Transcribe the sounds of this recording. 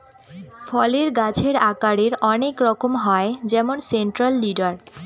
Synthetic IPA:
fɔleɾɡat͡ɕʰeɾakaɾeɾɔnekɾɔkomɦɔed͡ʑɛmonseɳʈɾalːiɖaɾ

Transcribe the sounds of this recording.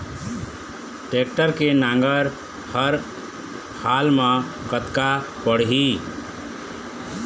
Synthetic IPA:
ʈek̚ʈəɾkenãŋɡəɾ | həɾ | halmẽ | kət̪ka | pəɽ̤ɦi

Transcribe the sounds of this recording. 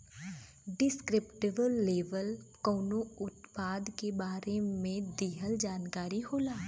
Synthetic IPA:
ɖɪskɾɪpʈɪbəlːeːʋəlkɔːnoʊt̪paːd̪kebaːɾemẽd̪iːɦəld͡ʒaːnkaːɾiɦoːlaː

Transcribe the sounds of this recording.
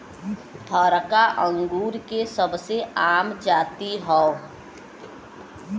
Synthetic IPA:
t̪ʰəːɾkaʔə̃ŋɡuːɾkesəbseaːmd͡ʒaːt̪iɦɔo

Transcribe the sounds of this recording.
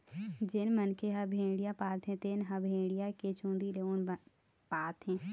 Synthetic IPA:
d͡ʒɪnmənkʰeɦɐbʱẽːɽijapaːt̪ʰɦɛ̃t̪eːnɦɐbʱẽːɽijaket͡ʃũːnd̪ileon | paːt̪ɦɛ̃ː

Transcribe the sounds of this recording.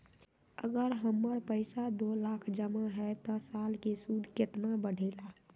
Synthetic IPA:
ə̰ɡəɾɦəmːəɽpəɪsad̪olakʰd͡ʒəmaɦɛt̪ɔsaːlkesud̪ʱkɪt̪nabəɽ̤ʱeɪla

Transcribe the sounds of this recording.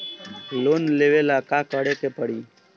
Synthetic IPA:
loːnleʋeːlakaːkəɽekepəɽiː

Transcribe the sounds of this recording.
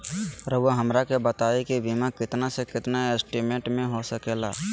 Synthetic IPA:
ɾəoɦɐmɾakebət̪aːekibimakɪt̪nasekɪt̪naesʈimẽɳʈmẽɦosəkeːla̰ː

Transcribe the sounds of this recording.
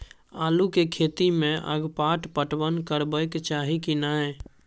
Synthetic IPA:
aːlukekʰet̪imẽʔə̰ɡpaʈpəʈbənkəɾbəjkt͡ʃaɦikinae

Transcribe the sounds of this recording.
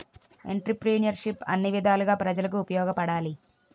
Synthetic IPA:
ḛɳʈɾipɾiːnjɐɾʂipɐ̰nːiʋid̪ʱaːluɡaːpɾɐd͡ʒɐlɐk̬uːpɐjɔːɡɐpɐɽaːli

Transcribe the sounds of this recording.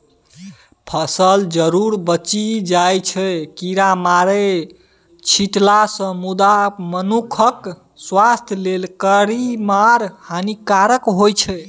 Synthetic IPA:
pʰəsəld͡ʒəɾuɾbət͡ʃid͡ʒajt͡ʃʰɛkiɾamaɾe | t͡ʃʰiʈlasə̃mud̪amənukʰək | swast̪ʰjlelkəɾimaɾhanikaɾəkɦojt͡ʃʰɛ

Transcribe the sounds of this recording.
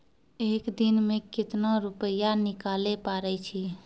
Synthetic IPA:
eːkd̪inmekit̪naɾupəjanikalepaɾɛt͡ʃʰi

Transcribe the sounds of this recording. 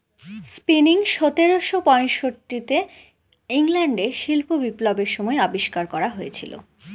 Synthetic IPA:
spiniŋʃɔt̪eɾoʃopɔjnʃoʈːit̪e | iŋlɛɳɖeʃilpobiplobeɾʃɔmɔeɔbiʃkaɾkɔɾaɦojet͡ɕʰḭlo̰

